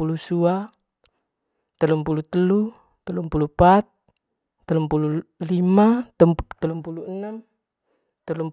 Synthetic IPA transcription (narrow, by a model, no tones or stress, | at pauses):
ulusua | t̪əlumpulut̪əlu | t̪əlumpulupat̪̚ː | əlumpululimat̪əlumpuluənam | t̪əlum